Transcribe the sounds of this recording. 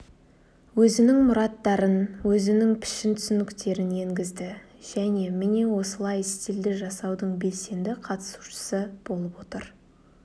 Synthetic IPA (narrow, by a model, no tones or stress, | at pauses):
wɵzɪnɪŋmʊɾɑt̪ːɑɾənwɵzɪnɪŋpʰɪ̥ʃɪnt̪ʰʏsɪnɪkt̪e̞ɾɪne̞ŋɡʲɪzd̪ɪ | ʒ̥æne̞mɪne̞wo̞səlˠɑjst̪eld̪ɪʒɑsɑwd̪əɴbe̞lse̞nd̪ɪqʰɑt̪ə̥su̥ʃə̥səb̥o̞lˠəpwo̞t̪əɾ